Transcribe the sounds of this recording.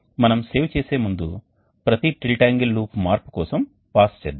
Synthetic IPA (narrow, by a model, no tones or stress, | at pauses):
mɐnɐmse̞ːwt͡ʃeːse̞ːmund̪u | pɾɐt̪iʈilʈaːŋɡilːuːpmaːɾpu̥kɔːsɐm | paːst͡ʃeːd̪i